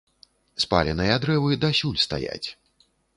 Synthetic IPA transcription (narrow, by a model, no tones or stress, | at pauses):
spa̰lʲɛnɨjɐd̪ɾɛvɨd̪ɐsʲulʲst̪a̰ja̰t͡sʲ